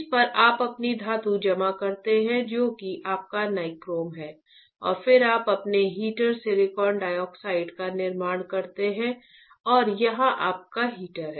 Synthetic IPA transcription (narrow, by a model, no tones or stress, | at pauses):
spɐɾʔaːpɐpnid̪ʱaːt̪ud͡ʒɐmakɐɾt̪eɦɛ̃d͡ʒoːkiʔaːp̚kanaɪkɾoːmɦɛː | ɔ̰ːɾfɪɾaːpɐpneɦiːʈəɾseɾɪkɔːɾɳɖaːjɔːksaːɪɖkanɪɾmaːɽ̃kɐɾt̪eɦɛ̃ | ɔːɾjɐɦãʔaːp̚kaɦiːʈəɾɦɛː